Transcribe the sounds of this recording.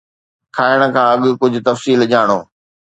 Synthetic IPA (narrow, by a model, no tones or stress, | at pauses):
kʰaːɪəɽ̃ə̆kʰãːɐɠkʊd͡ʑʱʊ̆t̪ɐfsiːlʄaːɽ̃oː